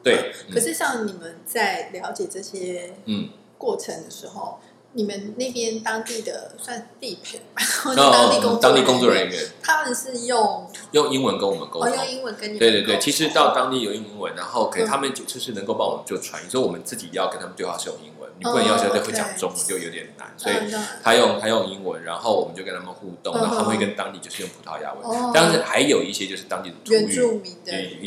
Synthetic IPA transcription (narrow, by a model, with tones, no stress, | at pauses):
t̪we˥˩ɪkʰə˨˩ʂɻ̩˥˧ɕjɑ˥˩ŋni˨˩mə˨nt͡sa˥˩ɪljɑ˧˥ʊt͡ɕjɛ˨˩ʈ͡ʂɤ˥˩ɕjɛ˥n̩˥˩ | kwɔ˥˩ʈ͡ʂʰə˧˥ŋd̪ə˨˧ʂɻ̩˧˥xo˨˧ʊ | ni˨˩mə˦nne˥˩ɪpjɛ˥nt̪ɑ˥ŋt̪i˥˩d̪ə˩swa˥˧n̩˧t̪i˥˩pʰɛ̰˨˩nɻa˧˥no˥˩ɔ˥˧˩i˥kŋt̪ɑ˥ŋt̪i˥˧˩kʊ˥ŋt͡swɔ˥˨˩ɻə˧˦i˥ɥɛ̰˧˦nt̪ʰa˥mə˨nʂɻ̩˥˧jʊ˥˨˧ŋjo˥˩ŋi˥ŋwə˧˦nkə˥˦nwɔ˨˩mə̰˨˦nko˥˦˧jo˥˨i˥ŋwə˧˦˥wt̪we˥˧t̪we˥˩t͡ɕʰi˧˥ʂɻ̩˧˥t̪ɑ˥˩ʊt̪ɑ˥ŋt̪i˥˨jo˨˩ʊjo˥˩ŋi˧˥ŋnwə˧˦nɻa˧˥nxo˥˩ʊkʰə˧˥i˨˩t̪ʰa˥mə˨nt͡ɕjo˥˧ʊʂ̩˥˧ʂɻ̩˥˩nə˧ŋko˥˧pɑ˥˩ŋwɔ˨˩mə˨˦t͡ɕjo˥˩ʊʈ͡ʂʰwa̰˧˦ḭ˧˩swɔ˥wɔ˨˩mə˦nt͡sɹ̩˥˩t͡ɕi˨˩jɑ˥˩kə˥nt̪ʰa˥mə˨t̪we˥˧ɪwa˥˧ʂɻ̩˥˧˩jʊ̰˥˩ŋi˦ŋwə̰˦nni˩u˥˩ə˨˩jɕwe˥˩t͡ɕjɑ̰˨˩ŋʈ͡ʂʊ˥ŋwɔ˨˩t͡ɕjo˥˩ʊjo˧ʊt̪jɛ˨˩nna̰˧˦nswɔ˧˥i˨˩t̪ʰa˦˥jʊ˥˧ŋt̪ʰa˥jjo˥˩ŋi˦˥nwə̰˧˦nɻa˧˥nxo˥˩ʊwɔ˨˩mə˦t͡ɕo˥˩ʊkə˥nʰa˥mə˧˨xu˥˧t̪ŋa˧˥˧a˥˧we˥˩kə˥nt̪ɑ˥ŋt̪i˥˩t͡ɕo˥˧ʊʂɻ̩˥˧jʊ˥˩ŋpʰu˨˥t̪ʰɑ˥˧ʊja̰˥wḛ˧˥ɪt̪a˥˧nʂɻ̩˥˩xa˧˥ɪjo˨˩ʊi˥˩ɕjɛ˥t͡ɕjo˥˧ʊʂɻ̩˥t̪ɑ˥ŋt̪i˥˩d̪ə˩t̪ʰu˧˥y˥u˥˨i˥˧˩